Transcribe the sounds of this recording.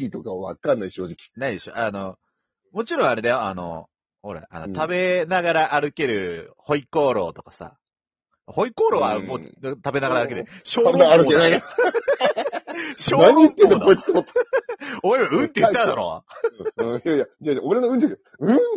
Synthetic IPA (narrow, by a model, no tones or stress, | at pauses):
it̪okaβa̰kãnːaiɕo̞ːd͡ʑikʲi̥naid̪e̞ɕo̰ʔano̞ | mo̞t͡ɕiɾõaɾe̞d̪ajoa̰no̞̰ | hoɾḛʔa̰not̪ʰabe̞naɡaɾaʔːɾɯ̟ke̞ɾɯ̟ho̞iko̞ːɾo̞̰ːt̪o̞kasa̰ | ho̞iko̞ːɾo̞ːβamoːt̪abe̞naɡaɾaːɾɯ̟ked̪ɕoːaeaaɾɯenaia | ɕoːnaɲiit̪ːend̪okoit̪t̪ot̪ː | oɾeβaɯ̟̃nt̪ːejɯ̃tːãnd̪a̰ɾo̰ | ɯ̃jajad͡ʑaoɾenoɯ̟̃nt̪eke | ɯ̟̃